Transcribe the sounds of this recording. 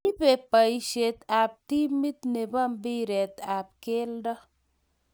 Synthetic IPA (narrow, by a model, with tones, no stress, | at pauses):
ni˦pe˨pa˨jʃe˨t̪a˨b̚ti˦mi˦t̪ne˨ba˦mbi˦ɾe˨t̪a˨b̚ke˦lda˦